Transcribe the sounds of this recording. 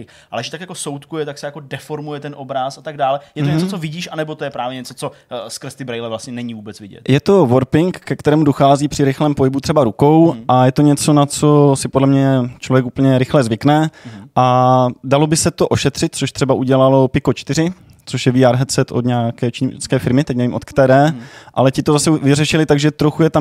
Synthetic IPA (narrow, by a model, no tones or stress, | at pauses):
ʔalɛʒt̪akjako̞sowt̪kujɛt̪aksɛjako̞dɛfoɾmujɛt̪ɛnʔobɾasat̪aɡdaːlɛjɛt̪oɲɛt͡sot͡sovɪɟiːʃanɛbot̪ojɛpɾaːvjɛɲɛt͡sot͡soskrst̪ɪbɾɛjlɛvlast̪ɲɛnɛɲivuːbɛt͡svɪɟɛ̰t̪jɛt̪o̞vo̞ɾpɪŋkːɛkt̪ɛɾɛːmudoxaːziːpr̝̥ɪɾɪxlɛːmpoɦɪbut̪r̥ɛbaɾuko̞wʔajɛt̪oɲɛt͡so̞nat͡so̞sɪpodlɛmɲɛt͡ʃlo̞vjɛkupəɲɛɾɪxlɛzvɪknɛʔadalo̞bɪsɛt̪o̞ʔo̞ʃɛt̪r̥ɪt̪̚t͡soʃt̪r̝̥ɛbaʔuɟɛlalo̞pɪkot͡ʃt̪ɪɾɪ | t͡soʃjɛviːaːɾɦɛt͡sɛt̪ʔod̪ɲaaːkɛːt͡ʃit͡skɛːfɪɾmɪt̪ɛcnɛvimot̪kt̪ɛːɾɛːʔa̰lɛcɪt̪o̞zasɛvɪrɛʃɪlɪt̪aɡʒɛt̪ɾo̞xujɛt̪am